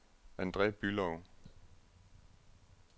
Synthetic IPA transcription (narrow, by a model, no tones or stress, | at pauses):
ænd̥ʁɛːb̥ylɒʊ